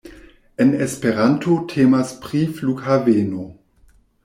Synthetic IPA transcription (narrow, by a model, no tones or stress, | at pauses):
enespeʁantʰotʰeːmaspʁiflukhaveːno